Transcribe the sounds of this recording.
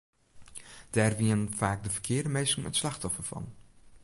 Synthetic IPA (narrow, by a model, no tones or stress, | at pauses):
d̥aːrʋiənv̥aːk̚dəvəɹkʰɪːɹdəmejsɪŋə̰tslɑχtɔfəɹvɑ̰n